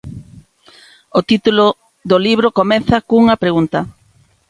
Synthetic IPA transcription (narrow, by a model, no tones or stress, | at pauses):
ot̪it̪ulo | ðoliβɾokomɛθɐkouŋɐpɾeɣunt̪ɐ